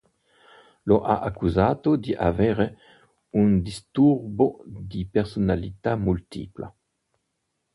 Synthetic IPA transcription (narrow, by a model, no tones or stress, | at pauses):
loʔaʔakuzaːt̪od̪iʔavɛːʁe | und̪ist̪urbod̪ipeʁsonalit̪amult̪ḭpla̰